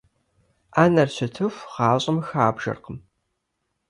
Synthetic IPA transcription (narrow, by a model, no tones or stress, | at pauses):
aːnɐrɕɪtʰɨfʁɑːɕʼɐmxaːbʒɐ̰rqəm